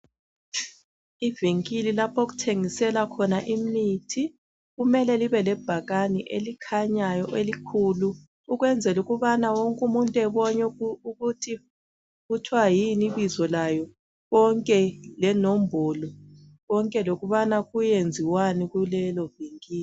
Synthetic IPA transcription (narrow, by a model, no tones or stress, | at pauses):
iviŋkʼililapʰoɣ̬utʰeŋisɛlakʰɔnaʔimitʰi | ɣumɛlɛliβɛlɛb̥ʱaɣaniʔelikʰaɲajɔʔelikʰuluː | ɣwɛnd͡zʱɛluɣuβanawoŋkʼumuntʼuɛβɔɲɛuɣutʰi | ɣutʰwajiniβizɔlajɔ | ɣɔŋkʼɛlɛnombʱɔlɔ | ɣɔŋkʼɛloɣuβanaɣujend͡zʱiwaniɣulɛlɔviŋkʼiːli